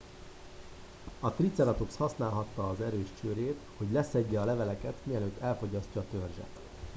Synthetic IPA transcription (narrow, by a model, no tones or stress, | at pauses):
ɒt̪rit̪sɛɾɒt̪okshɒsnaːlɦɒt̪ːɒːzɛɾøːʃt͡ʃøːɾeːt̪ho̞ɟlɛsɛɟːɛɒlɛvɛlɛkɛt̪miɛløːt̪ːɛlfo̞ɟɒscːɒːt̪ø̞rʒɛ̰t̪